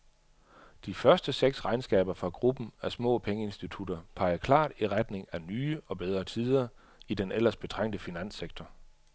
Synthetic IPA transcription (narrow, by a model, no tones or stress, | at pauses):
d̥ifɶɐsd̥əseɡ̥sʁɑ̈ɪnsɡ̥ɛ̰ːb̥ɐfʁɑ̈ɡ̥ʁub̥n̩æɐsmɔ̰̽ːpʰeŋəe̝nsd̥it͡sʰud̥ɐpʰɑ̈ɪɐkʰlɑ̰̈ːd̥iʁad̥ne̝ŋænyːəɒ̽b̥eð̞ˠʁɐt͡sʰiðˠɐ | id̥enel̰ɐsb̥e̝t͡sʰʁaŋ̰d̥əfinæn̰seɡ̥̚t͡sʰɒ